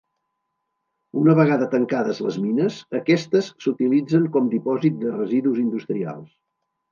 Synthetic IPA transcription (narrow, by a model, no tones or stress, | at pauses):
unəβəɣaðət̪əŋkaðəzlə̰zminəsəkɛst̪əsːut̪ilid͡zəŋkɔmd̪ipɔzit̪̚d̪ərəziðuzind̪ust̪ɾia̰lˠs